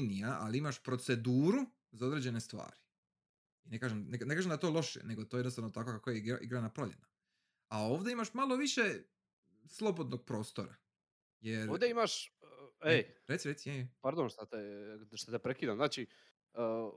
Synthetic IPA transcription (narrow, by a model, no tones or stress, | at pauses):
nijaaliimaʃpɾo̞t̪se̞d̪uːɾu | zao̞d̪ɾed͡ʑe̞ne̞st̪ʋa̰ːɾi | inekaːʒemnekne̞kaːʒemd̪at̪olˠo̞ʃḛne̞ɡot̪ojenost̪aʋnot̪ako̞kakojeiɡa̰ʔḭɡɾanapɾoʎḛna | ao̞ːʋd̪eimaʃmalˠo̞ʋiʃe | slˠo̞bo̞d̪no̞ɡ̚pɾo̞ːst̪oɾa | je̞ɾod̪eimaʃ | eɾet̪siɾe̞t̪sijejɛpaɾd̪onʃt̪at̪eʃt̪at̪epɾekiːd̪amznaːt͡ʃi